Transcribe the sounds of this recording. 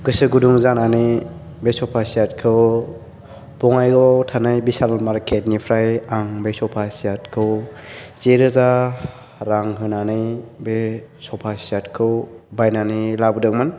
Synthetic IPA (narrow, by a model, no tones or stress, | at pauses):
ɡɯsɯɡuduŋzananɯj | besɔpʰasiat̚kʰɯw | bɔŋajɡɔtʰanɯjbisalmaɾkʰet̚nipʰɾajaŋbejsɔpʰasijatkʰɯwzeɾɯza | ɾaŋɦɯnanɯjbesɔpʰasatkʰɯwbajnanilabɯdɯk̚mɯn